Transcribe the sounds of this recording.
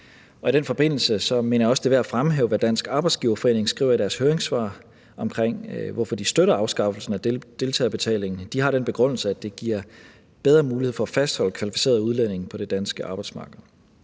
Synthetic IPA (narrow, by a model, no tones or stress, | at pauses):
ɒ̽iɾ̥enfɒ̽b̥e̝n̰l̩səsɒ̽me̝̰nɐjɑɒ̽sd̥e̝ʋeæfʁamɦḛːʊʋæd̥æn̰sɡ̥ɑ̈ːb̥ɑ̈ɪd̥sɡ̥iʊɐfɒ̽e̝̰ːne̝ŋsɡ̥ʁḭʊ̰ɐiɾ̥æɐshøːɐeŋsʋɑ̰̈ː | ɒ̽mkʰʁeŋ̰ʋɒfɒ̽d̥isd̥øɾɐɑ̈ʊsɡ̥ɑ̈fl̩sn̩æd̥e̝lt͡sʰɛ̰ːbe̝t͡sʰɛ̰ːle̝ŋn̩d̥ihɑ̈ɾ̥enb̥e̝ɡ̥ʁɔn̰l̩səæd̥e̝ɡ̥iɐ̰ | b̥eðˠʁɐːmuːlihḛfɒæfæsd̥hɒ̽l̰əkʰʋælifi̥se̝̰ːɐðˠuð̞ˠlen̰e̝ŋ̩pʰɒ̽d̥e̝d̥ænsɡ̥əɑ̈ːb̥ɑ̈ɪd̥smɑ̈ːɡ̥ð̩ˠ